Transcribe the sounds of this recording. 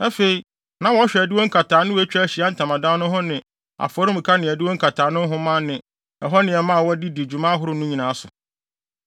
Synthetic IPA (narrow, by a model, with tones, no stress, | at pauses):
æ˦fe˨i˨ | nã˦wɔ˦ɕᶣɛ˨æ˨dɪ˦wɔ˦ŋ̩˦kʰa˨tʰaː˨˦nʊ̃˦wɔ˦æ˦t͡ɕᶣæ˦˨ɕi˨a˦n̩˦tʰã˨mã˨dã˦nʊ̃˦ɦʊ̃˦nɪ̃˨ | a̰˨fɔ˦ɾʊ̃˦m̩˨kʰa˦nɪ̃˨æ˨dɪ˦wɔ˦ŋ̩˦kʰa˨tʰaː˨nʊ̃˦ɦʊ̃˦mã˦nɪ̃˨ | ɛ˨ɦɔ˦nɪ̃˨ɛ˨mã˦˨wɔ˦di˦di˨d͡ʑu˨mã˦ɦʊ˦ɾʊ˨nũ˦ɲĩ˨nãː˨a˦sʊ˨